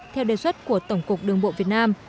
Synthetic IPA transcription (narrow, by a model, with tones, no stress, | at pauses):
t̪ʰɛ˧wɗe˨˩swə˦˥t̚ku˧˩ət̪ə˧˩wŋ͡mkʊ˨˩k̚ɗɨ˨˩əŋɓo̰˧˨vi˨˩ət̚naː˧m